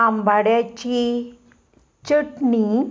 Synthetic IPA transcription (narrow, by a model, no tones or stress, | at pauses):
ambaɽjat͡ɕi | t͡ɕəʈni